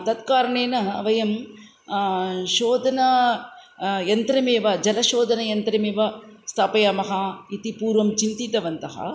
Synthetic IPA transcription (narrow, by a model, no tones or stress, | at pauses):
t̪ɐt̪kaːɾɐɳeːnɐɐ̰ʋɐjɐm | ʃoːd̪ɐnɐ | jɐnt̪ɾɐmeːʋɐd͡ʒɐlɐʃoːd̪ʱɐnɐjɐnt̪ɾɐmeːʋɐst̪ʰaːpɐjɐːmɐɦɐit̪ipuːɾʋɐmt͡ʃint̪it̪ɐʋɐnt̪ɐɦɐ̰